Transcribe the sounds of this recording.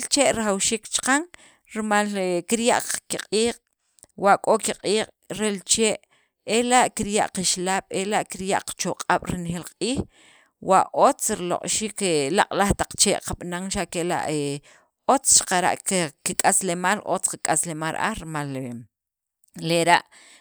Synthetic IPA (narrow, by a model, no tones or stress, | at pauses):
elt͡ʃeʔɾaχawʃiːkt͡ʃqaŋ | ɾimalkiɾjaʔqkiqʼiːqʼ | waʔkʼokiqʼiːqʼ | ɾelt͡ʃeːʔ | elaʔkiɾjaʔqiʃlaːɓ̥elaʔkiɾjaʔqt͡ʃoqʼaɓ̥ɾinxeːlqʼiːx | waʔʔot͡sɾilo̰qʼʃiːkela̰qʼlaχt̪aq͡χt͡ʃeːʔqaɓ̥naŋʃaʔkela̰ʔe | ot͡st͡ʃḁqaɾa̰ʔkkikʼaslemalʔo̰t͡sqikʼaslemalʔa̰hɾimale | leɾaʔ